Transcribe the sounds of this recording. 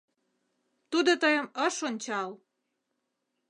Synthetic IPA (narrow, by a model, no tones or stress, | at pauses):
t̪ud̪ot̪əjə̆məʃonʲt͡ɕɑl